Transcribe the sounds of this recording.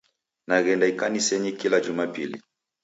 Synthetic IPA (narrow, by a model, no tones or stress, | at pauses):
naɣɛndaikanisɛɲikilad͡ʒumapilḭ